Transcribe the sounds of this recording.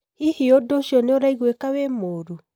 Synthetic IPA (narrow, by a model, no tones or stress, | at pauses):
ihiodoʃiɔneoɾaiɣwekawemoːɾu